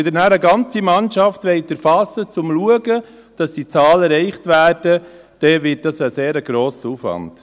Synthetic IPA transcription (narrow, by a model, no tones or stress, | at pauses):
ɪdənæɾəɡɑnt͡simɑnʃɑftʋɛɪtəɾfɑsət͡sʊmluəɡə | d̥ɑsd̥it͡sɑːlɛɾɛɪχtʋæːd̥ə | d̥ɛʋɪt̚d̥ɑsəseːɾəɡ̥ɾoːsəufʋɑ̰nt